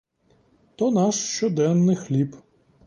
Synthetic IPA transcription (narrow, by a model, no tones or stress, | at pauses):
t̪ɔnɑʃʃt͡ʃɔd̪ɛnːɪxlʲip